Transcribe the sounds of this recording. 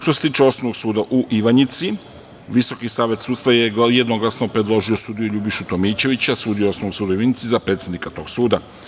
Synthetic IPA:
ʃt̪o̞set̪iːt͡ʃeo̞snonoɡsuːd̪aʔuʔiʋaɲit̪si | ʋiso̞kisaːʋe̞t̪suːt̪st̪ʋajejed̪noɡlasnopɾe̞d̪lˠo̞ʒio̞suːd̪ijuʎubiʃut̪o̞miːt͡ɕe̞ʋit͡ɕasuːd̪ioo̞snoʋnoksuːd̪oiʋaɲit̪sizapɾe̞t̪sʲjed̪nikat̪o̞ɡsuːd̪a

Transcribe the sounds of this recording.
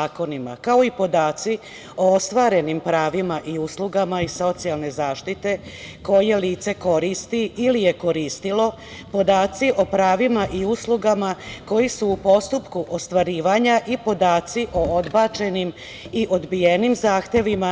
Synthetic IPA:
aːko̞nima̰kao̞ipo̞d̪aːt̪si | o̞o̞st̪ʋaːɾe̞nimpɾaːʋimaʔiuːsluɡamaiso̞t̪sialˠne̞zaːʃt̪it̪e̞ko̞je̞liːt̪se̞ko̞ɾist̪iilije̞ko̞ɾiːst̪ilo̞ | po̞d̪aːt̪siʔo̞pɾaːʋimaʔiuːsluɡamako̞jisuːpo̞st̪upkuʔost̪ʋaɾiːʋaɲaʔipo̞d̪aːt̪siʔo̞od̪bat͡ʃe̞nim | iʔo̞d̪bijenimzaːxt̪je̞ʋima

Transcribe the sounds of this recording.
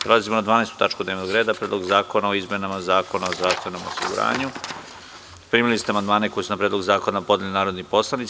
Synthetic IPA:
pɾelazimonad̪ʋaːnest̪u̥t̪at͡ʃkud̪neʋenoɡɾeːd̪apɾed̪lo̞ɡzaːko̞naoizme̞namazaːko̞naozɾaːxt̪eno̞mo̰sḭɡṵɾa̰ːɲu | pɾiːmilist̪eamand̪maːneko̞jesunapɾed̪lo̞ɡuzaːko̞napo̞d̪elinaːɾod̪nipo̞slˠanit̪

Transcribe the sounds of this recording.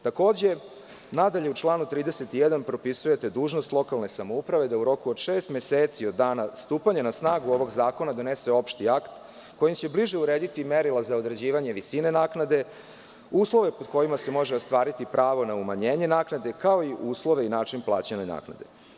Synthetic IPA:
t̪ako̞ːd͡ʑe̞ | nad̪aʎe̞ut͡ʃlˠaːnut̪ɾiːd̪eset̪ijɛd̪anpɾo̞pisuje̞t̪e̞d̪uːʒnost̪lˠo̞kalˠnesamo̞upɾaʋe̞d̪auɾo̞kuod̪ʃeːst̪mjeseːt̪siod̪ːaːnast̪uːpaɲenasnaːɡuo̞ʋo̞ɡzaːko̞nad̪o̞neseo̞pʃt̪iakt̪ | ko̞jimt͡ɕe̞bliʒe̞uɾeːd̪it̪imeɾilˠazaod̪ɾed͡ʑiːʋaɲe̞ʋisine̞naːknad̪e̞ | uːslˠo̞ʋe̞pod̪ko̞jimase̞mo̞ʒeost̪ʋaːɾit̪ipɾʔaːʋo̞naumaɲeːɲe̞naːknad̪e̞kao̞iʔuːslˠo̞ʋeinaːt͡ʂinplˠa̰ːt͡ɕenena̰ːkna̰d̪e̞̰

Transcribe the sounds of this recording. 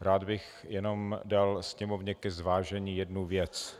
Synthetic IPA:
ɾaːd̪bɪx | jɛno̞mdalsɲɛmovɲɛkɛzvaːʒɛɲiːjɛdnuvjɛt͡s

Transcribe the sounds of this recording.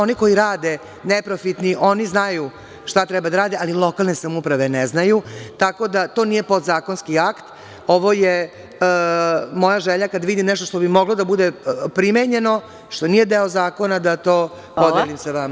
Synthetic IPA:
o̞niko̞jiɾaːd̪e | nepɾofit̪niʔo̞niznaju | ʃt̪at̪ɾɛbad̪aɾaːd̪eʔalilˠo̞kalˠne̞samupɾaʋe̞neznajut̪ako̞d̪at̪o̞ːnije̞pod̪zaːko̞nskiakt̪ | o̞ʋo̞je | mo̞jaʒeʎakad̪ʋid̪imneʃt̪ot̪o̞bimo̞ɡlod̪abud̪epɾimeɲe̞no̞ | ʃt̪o̞nijed̪eozaːko̞nad̪at̪o̞ː | pod̪elʲimseʋama

